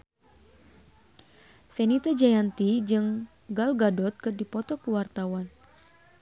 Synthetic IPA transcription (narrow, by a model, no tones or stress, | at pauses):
fɛnit̪ad͡ʒajant̪id͡ʒɨŋ | ɡalɡadɔt̪̚kɨrdipɔt̪ɔkuwart̪awan